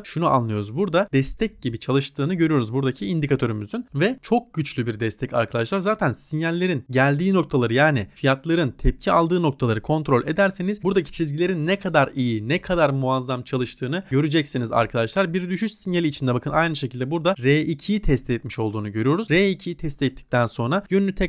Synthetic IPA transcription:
ʃunuʔa̰nlˠɯjo̞ɾuzbuɾd̪ad̪̥ɛst̪ʰɛc̚ɟibit͡ʃʰalˠɯʃt̪ʰɯːnɯɟø̞ɾyjo̞ɾuzbuɾd̪acʰiind̪ikʰat̪ʰø̞ɾymyzynvɛt͡ʃʰo̞k̚ɟyt͡ʃlʲybiɾd̪ɛst̪ʰɛca̰ɾkʰad̪at͡ʃlˠaɾzaːt̪ʰænsinjælʲːe̞ɾinɟælʲd̪iːno̞k̚t̪ʰalˠaɾɯjaːnifijat̪lˠaɾɯnt̪ʰɛp̚cʰialˠd̪ɯːno̞k̚t̪ʰalˠaɾɯkʰo̞nt̪ɾo̞lʲʔe̞d̪æɾseniz̥buɾd̪acʰi̥t͡ʃʰizɟilʲe̞ɾinːɛkʰad̪aɾijinɛkʰad̪aɾmuazːamt͡ʃʰalˠɯʃt̪ʰɯːnɯɟø̞ɾyd͡ʒɛcsiniza̰ɾkʰad̪at͡ʃlˠaɾbiɾd̪yʃyʃsinjalʲiːt͡ʃʰind̪ɛbakʰɯnajnɯʃecʰilʲd̪ɛbuɾd̪aɾeːʔicʰijit̪ʰɛst̪ʰɛt̪miʃo̞lˠd̪uːnuɟø̞ɾyjo̞ɾuzɾeːicʰijit̪ʰɛst̪ɛt̪ʰːi̥c̚t̪ʰænso̞nɾajønynʲyt̪ʰɛ

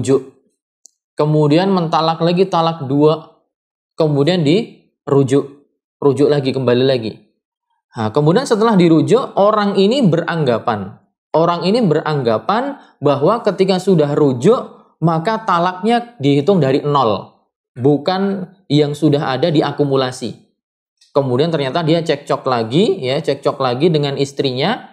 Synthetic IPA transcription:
d͡ʒʊʔ | kəmudianmənt̪alak̚laɡit̪alak̚duaʔ | kəmudiandi | ɾud͡ʒʊʔ | rud͡ʒʊʔlaɡikəmbalilaɡḭ | akəmudiansət̪əlahdiɾud͡ʒʊʔoɾaŋinibəraŋɡapan | oɾaŋinibərʔaŋɡapan | baɦwakət̪ikasudahrud͡ʒʊʔ | makat̪alak̚ɲadiɦit̪ʊŋdaɾiʔənɔl | bukan | jaŋsudaɦadadiʔakumulasḭ | kəmudiant̪ərɲat̪adiat͡ʃɛk̚t͡ʃɔk̚laɡijat͡ʃɛk̚t͡ʃɔk̚laɡidəŋanist̪ɾiɲa

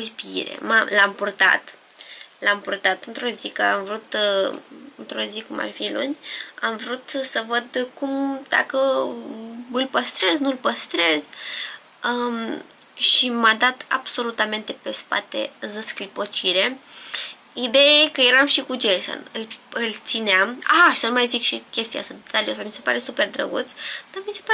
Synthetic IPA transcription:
lpḭɾḛmalampurt̪a̰t̪ | lampurt̪at̪ɨnt̪ɾo̞zikəamvɾut̪ | ɨnt̪ɾo̞zikuma̰rfilṵnʲamvɾut̪səvəd̪kumd̪̥a̰kə | ɨlpəst̪ɾe̞znulpəst̪ɾe̞z | ə | ʃimad̪at̪a̰b̥so̞lut̪ame̞nt̪e̞pe̞spa̰t̪e̞̰zəsklipo̞t͡ʃiɾe̞ | id̪e̞jajekəje̞ɾamʃikud͡ʒelso̰nɨlɨlt̪sineamasəlmajzikʃikʲe̞st̪ia̰st̪ad̪et̪aliosamise̞pa̰ɾe̞supe̞rd̪ɾə̰ɡut̪sʲd̪̥amise̞pa

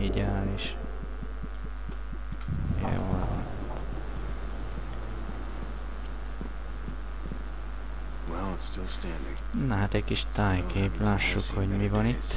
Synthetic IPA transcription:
iɟaːliʃ | j̰o̰la | t̪ | wɛlˠɪtstɪlˠstæ̃ndɪ̃ŋnɛɦat̪ɛckiʃt̪aːjkʰeːplaːʃːukho̞ɟmivɒnit̪ː

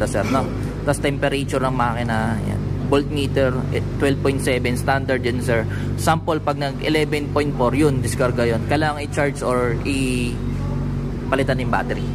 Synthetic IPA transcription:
t̪ɐsɛɾno | t̪ɐst̪ɛmpɛɾɛt͡ʃʊɾɐŋmɐʔaːkɪnɐja̰nbolt̪̚miːt̪ɛɹt̪wɛlv̚pojnt̪̚sɛbɛnst̪and̪ɐɹd̪jɐnsɛɹ | sampolpɐɡ̚nɐɡʔɪ̰lɛbɛnpojnt̪̚foɹjʊnd̪ɪskɐɾɡɐjonkɐjlaːŋɐŋɪt͡ʃaɹsʔoɹʔɪ | pɐlɪt̪anjʊmba̰ːt̪ɛɾi

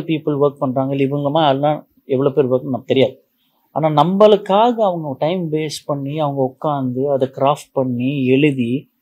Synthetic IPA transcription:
piːpːɯlʋɐɾk̚pɐɳːɾaːŋɡɐɭɪʋɯŋɡɐmaːɐllãː | ɛʋːɐɭoːpeːɾʋɐɾkːnaːt̪ɛɾɪjaːðɯ | aːnaːnɐmbɐlɯkːaːɣɐːʋɐŋɡɐʈɐɪmbeːspɐɳːiɐʋɐŋɡɐʊkːaːnd̪ɯɐðɐkɪɾaːfʈ̚pɐɳːiɛɭɯði

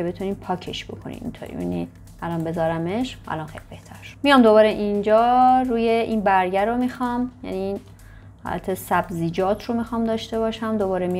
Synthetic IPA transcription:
ebe̞t̪ʰuniːpʰɒːcʰeʃb̥o̞̰kʰonḭmḭnt̪ʰoːɾḭjæ̰ni | ælɒnbe̞zɒːɾæmeʃʔæ̰lɒnxejlib̥e̞ht̪ʰæɾʃo̥mijɒmd̪oβɒːɾeʔind͡ʒɒːɾuːje̞ʔinbæɾɟæɾomixɒmjæ̰nin | hɒ̰ːlʔæ̰t̪ʰe̞sæbziːd͡ʒɒːt̪ʰɾo̞mixɒːmd̪ɒːʃt̪e̞βɒːʃæmd̪o̞bɒːɾemi

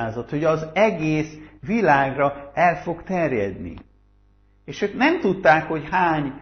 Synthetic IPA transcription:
aːzɒt̪ho̞ɟɒzɛɡeːsʋilaːɡrɒɛlfo̞ɡt̪ɛrjɛ̰d̪nḭ | eːʃøːknɛmt̪ut̪ːaːkho̞chaːɲ

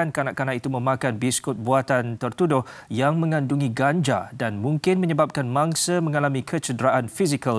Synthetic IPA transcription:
ankanaʔkanaʔit̪umə̃makanbiskʊt̪̚buat̪ant̪ərt̪udʊhjaŋmə̃ŋãnduŋiɡand͡ʒa̰danmũŋkɪnmə̃ɲəbap̚kanmãŋsəmə̃ŋalamĩkʰət͡ʃədɾaʔanfizikal

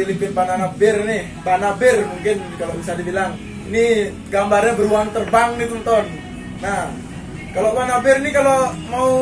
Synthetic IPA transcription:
ilipɪnbananabɪrnɪh | banabɪrmuŋkɪnkaloʔbisadibilaŋ | ini | ɡambarɲabəɾuaŋt̪ərbaŋnit̪ɔnt̪ɔnː | ah | kaloʔwanabɪrnikalomau

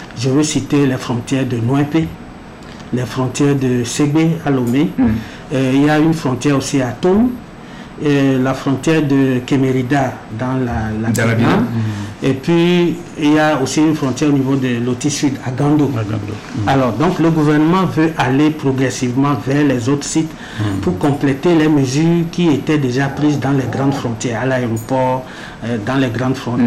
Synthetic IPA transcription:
ʒəvøsit̪elɛfɾɔ̃t̪jɛʁd̪ənwɛ̃pe | lɛfʁɔ̃t̪jɛʁd̪əseɡ͡bealome | iljaynfɾɔ̃t̪jɛʁosiat̪ũm | lafɾɔ̃t̪jɛʁd̪əkemeʁid̪ad̪ãlalaknãepɥi | iljaosiynfʁɔ̃t̪jɛʁonivod̪əlot̪isyd̪aɡɑ̃d̪õ̰ | alɔːʁd̪ɔ̃kləɡuvɛʁnəmɑ̃vøʔalepʁoɡʁɛsivmɑ̃vɛʁlɛzot̪χsit̪ | puʁkɔ̃plɛt̪elɛməzyːʁkiet̪ɛd̪eʒapʁizd̪ɑ̃lɛɡʁɑ̃d̪fʁɔ̃t̪jɛʁalaeʁopɔʁ | d̪ɑ̃lɛɡʁɑ̃d̪fʁɔ̃

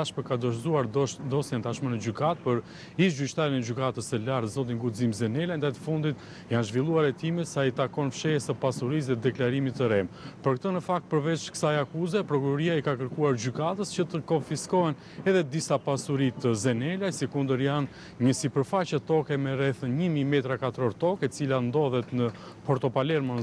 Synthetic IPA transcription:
aʃməkad̪ɔʃzuaɾd̪ɔsjɛnt̪aʃmənəd͡ʑykat̪̚pəɾ | iʃ̬ɟyʃt̪aɾinɛd͡ʑykat̪əsəlaɾt̪zɔt̪̬iŋɡuzimzɛnɛlajnd̪ajt̪ə̥fund̪it̪ | janʒvilˠuaɾɛt̪imɛsait̪akɔnfʃɛjɛsəpasuɾis̬ðɛd̪ɛklaɾimit̪ːəɾɛmpəɾkt̪ənəfak̚t̪̚pəɾvɛt͡ʃkə̥sajakuzɛpɾɔkuɾɔɾiaikakəɾkuaɾd͡ʑykat̪əscət̪əkɔnfiskɔɛn | ɛðɛd̪isapasuɾit̪əzɛnɛlajsikund̪əɾjan | ɲəsipəɾfat͡ɕɛt̪ɔkɛmɛɾɛθɲəmimɛt̪ɾakat̪ɾɔɾt̪ɔkɛt͡siland̪ɔðɛt̪nə | pɔɾt̪ɔpalɛɾmən

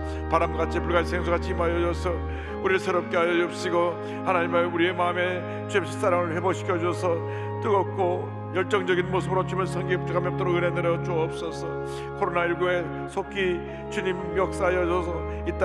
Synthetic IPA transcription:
paɾamɡat͡ɕʰipuɭɡasʰeŋs̬ʰoɡat͡ɕʰiːmajʌd͡ʑʌsʰʌ | uɾiesʰeɾʌp̚k͈eajʌʌp̚ɕ͈iɡo | hanaɲimauɾie̞mame̞ | t͡ɕepɕʰi̥s͈ʰaɾaŋɯɭhe̞boɕʰi̥kʰjʌd͡ʑʌsʰʌ | t͈ɯɡʌk̚k͈ʰo | jʌɭt͡ɕ͈ʌŋd͡ʑʌɡinmosʰɯbɯɾot͡ɕʰumjʌnsʰʌŋɡip̚t͡ɕ͈ʰukʰamjʌpt͈ʌɾoɯnɦedeɾʌt͡ɕoʌp̚s͈ʌsʰʌ | kʰoɾonaiɭɡue̞ | sʰokʰi | t͡ɕuɲimjʌk̚s͈ajʌʌsʰʌ | it͈a

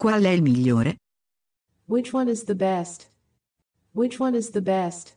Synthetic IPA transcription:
kwalɛilmiʎːoːɾe | wɪt͡ʃwʌ̃nɨzðɨbɛst | wɪt͡ʃwʌ̃nɨzðɨbɛst

